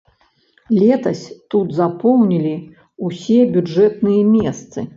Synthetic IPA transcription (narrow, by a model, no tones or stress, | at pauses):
lʲɛt̪ɐsʲt̪ud̪zapɔwnʲilʲi | usʲɛbʲud͡ʐʐɛt̪nɨjɛmʲɛst̪sɨ̰